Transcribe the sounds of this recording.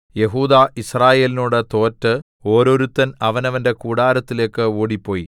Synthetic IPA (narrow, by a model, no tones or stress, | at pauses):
je̞ɦuːd̪aʔisraːje̞ːlinuːɽet̪o̞ːtːɨ | o̞ːɾo̞ɾut̪ːɐnɐʋɐnɐʋɐnde̞kuːɽaːɾɐt̪ːile̞ːkːɨoːɽipːo̞ːji